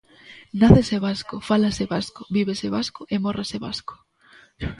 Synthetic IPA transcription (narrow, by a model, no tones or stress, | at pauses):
naθeseβaskʊfalaseβaskoβiβeseβaskʊʔemoreseβa̰sko̥